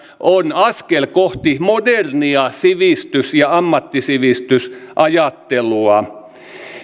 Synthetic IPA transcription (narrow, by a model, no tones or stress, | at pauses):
ʔonɑskelkoht̪imoderniɑsiʋist̪ysjɑɑmːɑt̪ːisiʋist̪ysʔɑjɑt̪ːeluɑ